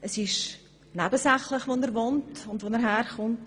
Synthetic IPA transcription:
əsɪʃ | næbəsæχləχʋonəɾʋontʊndʋonɛɾɦæːɾχʊnt

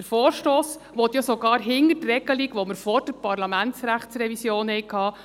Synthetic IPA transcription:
əɾfoːɾʃtoːs | ʋɔt̪jasoɡɑːɾɦɪnətrɛɡ̥əliɡʋɔməɾfɔɾd̥əɾpɑɾlɑmæntsɾæχtt͡sɾɛvisjoːnhɛɪkʰhɑː

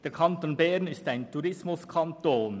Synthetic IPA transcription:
d̥eːɐɾkʰɑnt̪oːnbɛɾnɪstaɪntʰuɾɪsmʊskʰɑnt̪oːn

